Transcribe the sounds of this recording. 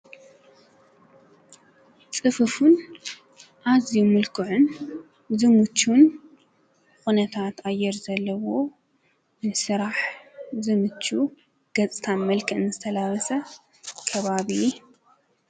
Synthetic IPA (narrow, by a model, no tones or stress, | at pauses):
t͡sʼɨfɨfun | ʔazjumɨlkʰɨʕʊn | zɨmɨt͡ʃːun | xunɐt̪ʰat̪ajɛɾzɐlːɐwo̞ | nɨsɨɾaħzɨmɨt͡ʃːu | ɡ̥ɐt͡sʼɨ̥t̪ʰanmɐlkʰɐɨnɨzɨt̪ʰɐlawɐsɐ | kʰɐβaβi